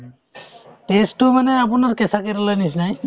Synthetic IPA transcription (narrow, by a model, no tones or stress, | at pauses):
ʈesʈomanɛapunaɹkɛsakeɾalanisnaj